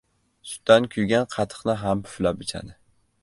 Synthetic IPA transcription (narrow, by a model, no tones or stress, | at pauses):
sʊ̥t̪ːankʲʰʊjɡʲanqʰɑt̪ʰɨ̥qnɪɦampʰʊ̥flapɪt͡ʃʰa̰d̪ɪ